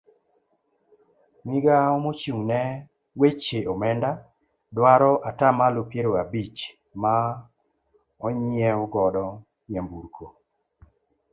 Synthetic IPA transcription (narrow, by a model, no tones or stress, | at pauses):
miɡaɔmot͡ʃuŋnɛ | wet͡ʃeʔɔmɛnda | dwaɾɔʔatamalopjeɾoabit͡ʃ | ma | ɔɲɪɛɔɡɔdɔ | jɛmbuɾkʰo